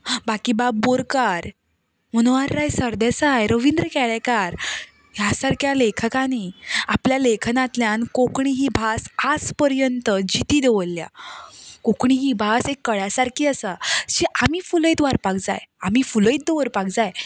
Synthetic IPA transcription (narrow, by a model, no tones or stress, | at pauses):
bakiːbaboɾkaɾ | məñʋaɾːajsəɾd̪esajɾəʋind̪ɾəkɛɭekaɾ | ɦjasaɾkjalekʰəkaniapljalekʰənat̪ljankokɳiɦibʱasad͡zpəɾjənt̪əd͡ʑit̪iːd̪eʋəlːja̰ | kokɳiɦibʱasekːəɭjasaɾkʰiːəsaɕiʔamiːfuləit̪ʋaɾpakd͡za̰jamifuləjt̪̚d̪eʋəɾpak̚d͡zaj